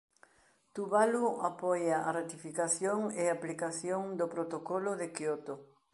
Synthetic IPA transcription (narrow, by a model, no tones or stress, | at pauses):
t̪uβaluapɔjaʔarat̪ifikaθjoŋeaplikaθjoŋd̪opɾot̪okɔloðekjot̪o